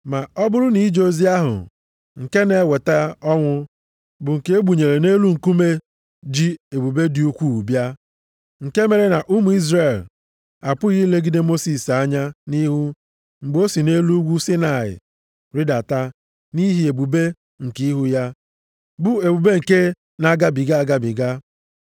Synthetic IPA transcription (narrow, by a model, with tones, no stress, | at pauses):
ma˨ɔ˦bʊ˦ɾʊ˦ni˦d͡ʒo˦zi˦a˦ɦʊ̰˨ | ŋ̩˨ke˦ne˨˦we˨ta˦ɔ˦ŋʷʊ˦ | bʊ˨ŋ̩˨ke˦e˦ɡ͡bu˨ɲe˨ɾe˨ne˦lu˦ŋ̩˨ku˦me˦ | d͡ʒi˦e˨bu˨be˦di˨u˦kʷu˦˨bja˦ | ŋ̩˨ke˦me˨ɾe˦na˨ʔu˦mu˨i˦zre˦˨l | a˨pʊ˦ɣi˦le˦ɡi˦de˦mo˦si˨sa˦ɲa˦ni˦ɦu˦ | ŋ͡m̩˨ɡ͡bo˦si˨ne˦lu˦ɡʷu˦si˦na˨ɪ̰˨ | ɾɪ˦da˨ta˦ | ni˦ɦi˨e˨bu˨be˦ | ŋ̩˨ki˦i˦ɦu˦ja˦ | bʊ˦e˨bu˨be˦ŋ̩˨ke˦ | na˨ɡa˦bi˨ɡa˦a˨ɡa˦bɪ˨ɡa˦